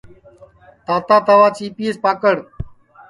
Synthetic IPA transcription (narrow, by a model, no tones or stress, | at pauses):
t̪aːt̪aːt̪aʋaːt͡ʃiːpiːespaːkəɽ